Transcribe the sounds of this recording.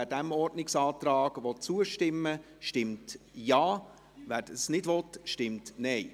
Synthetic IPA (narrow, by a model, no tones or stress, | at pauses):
æɾdɛmɔɾdnɪksɑːtɾɑːɡʋɔt̚t͡suːəʃtɪmːə | ʃtɪmt | jɑː | ʋæːɾəsnɪdʋɔtʃtɪmtnɛɪ